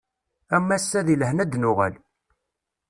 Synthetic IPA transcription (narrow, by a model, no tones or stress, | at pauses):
æmːæsːæðilhnæd̪nʊʁæ̰l